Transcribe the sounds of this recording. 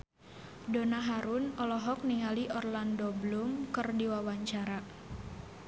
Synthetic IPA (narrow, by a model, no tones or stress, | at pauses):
donaɦaɾʊnɔlɔɦɔk̚niŋaliʔɔrlandoblumkərdiwawaɲt͡ʃaɾa